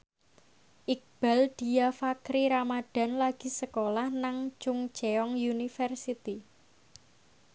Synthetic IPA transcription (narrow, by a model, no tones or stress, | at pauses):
ʔik̚b̥a̤ld̪̥i̤jafakɾiɾamaɖ̪̥a̤nlaɡ̥i̤səkolahnaŋd͡ʒʊŋ̥d͡ʒ̥eɔŋjunifərsit̪i